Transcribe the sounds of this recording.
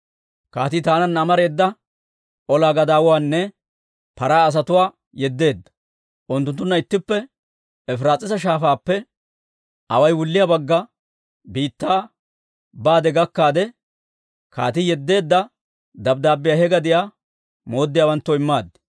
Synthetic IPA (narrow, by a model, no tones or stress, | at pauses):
kaːt̪ɪt̪aːnɐnːɐmɐɾe̞ːd̪ːɐ | ʔɔlaːɡɐd̪aːwʊwaːnːɛ | pɐɾaːs̬ɐt̪ʊwaː | jɛd̪ːe̞ːd̪ːɐ̥ | ʔʊnt̪ːʊnt̪ːʊnːɐɪt̪ːɪpːɛ | ɛfɾaːt͡sʼːɪsɐʃ̬aːfaːpːɛ | ɐwɐjwʊlːɪjabɐɡːɐ | biːt̪ːaː | baːd̪ɛɡɐkːaːd̪ɛ | ka̰ːt̪ɪjɛd̪ːe̞ːd̪ːɐ | d̪ɐb̚d̪aːbːɪjaːhɛɡɐd̪ɪjaː | mo̞ːd̪ːɪjaːwɐnt̪ːɔɪmːaːd̪ɛ̥